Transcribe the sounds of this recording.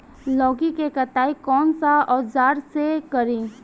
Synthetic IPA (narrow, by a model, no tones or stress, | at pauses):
lɔːɡikekɐt̪aːikɔːnsaɔːd͡ʒaːɾsekəɾĩː